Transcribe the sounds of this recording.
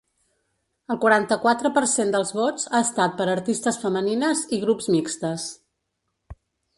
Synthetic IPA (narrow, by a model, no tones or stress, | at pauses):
əlˠkwuɾant̪əkwat̪ɾəpəɾsend̪əlˠzβot͡saəst̪at̪̚pəɾəɾt̪ist̪əsfəməninəziɣ̞ɾupzmikst̪əs